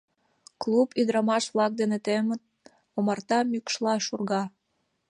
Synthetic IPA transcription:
klˠupyd̪ɾɑmɑʃβlɑk̚d̪enet̪emət̪̚ | omɑrt̪ɑmykʃlɑʃurɣɑ

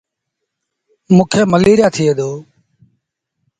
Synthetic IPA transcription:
mũːkʰeːməliːɾɪjaːt̪ʰɪeːd̪oː

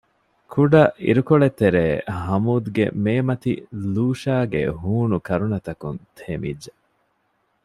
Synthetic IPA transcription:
kʰuɖɐʔḭɾukoɭet̪ːeɾeːhɐmuːd̪ɡḛmeːmɐt̪ḭluːʃaːɡḛɦuːnukɐɾunɐt̪ɐkunt̪ʰeːmḭdːe

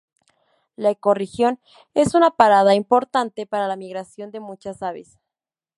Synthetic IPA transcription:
laeko̞rexjo̞n | e̞sunapaɾaðaimpo̞ɾt̪ant̪e̞paɾalamiɣɾasjo̞nd̪e̞mut͡ʃasaβḛs

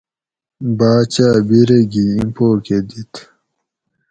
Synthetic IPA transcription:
baːt͡ɕaːbiɾeɡiimpoːked̪it̪

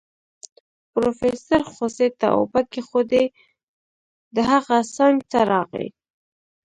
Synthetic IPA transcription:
pɾofesaɾxoset̪a̰o̰bakexod̪e | d̪əɦaɣasɑŋɡt̪aɾɑɣḛj

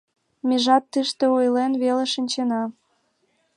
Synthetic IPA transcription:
meʒɑt̪ːɨʃt̪eojlenβeleʃənʲt͡ɕenɑ

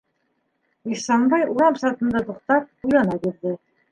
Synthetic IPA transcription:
isɑɴbɑjuɾɑmsɑt̪ɤ̆nd̪ɑt̪uqt̪ɑp̚ujlˠɑnɑbiɾðɘ

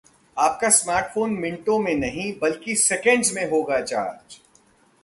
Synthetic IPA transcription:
aːp̚kasmaːɾʈfʰoːnmɪ̃ɳʈõmẽnɐɦĩbɐlkisɛkə̃ɳɖzmẽɦoːɡat͡ʃa̰ːɾd͡ʒ

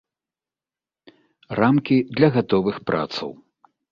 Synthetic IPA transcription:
ramkʲid̪lʲɐɣat̪ɔvɨxpɾʔa̰t̪sɐ̰w

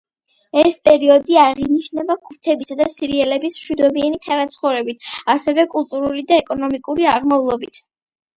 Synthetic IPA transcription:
ɛspʼɛɾiɔd̪iaʁiniʃnɛbakʰuɾt̪ʰɛbisad̪asiɾiɛlɛbismʃwid̪ɔbianit̪ʰanat̪sʰχɔɾɛbit̪ʰasɛvɛkʼulˠt̪ʼuɾulid̪aɛkʼɔnɔmikʼuɾiaʁmavlˠɔbit̪ʰ

